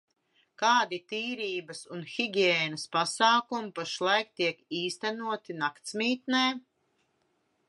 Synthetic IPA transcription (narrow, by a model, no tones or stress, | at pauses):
kaːd̪it̪iːɾiːbɐsunxiɡʲiɛːnɐspasɑːkumipaʃlˠajk̚t̪iɛkiːst̪ænuɔt̪inakt̪smiːt̪nɛː